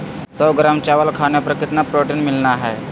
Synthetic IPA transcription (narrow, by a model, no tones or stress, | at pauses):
sɔːɡɾamt͡ʃaːʋəlkʰaːnepəɾkɪt̪napɾoːʈenmɪlnaɦɛː